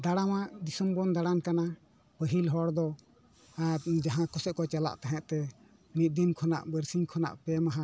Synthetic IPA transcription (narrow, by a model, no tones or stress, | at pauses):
d̪aɽamaʔd̪isəmbɔnd̪aɽankana | pəɦilɦɔɽd̪ɔ | d͡ʒaɦãkɔsɛʔ̚kɔt͡ʃala̰ʔt̪aɦɛ̃ʔt̪ɛ | mit̪̚d̪inkʰɔna̰ʔbəɾsiɲkʰɔna̰ʔpɛmaɦã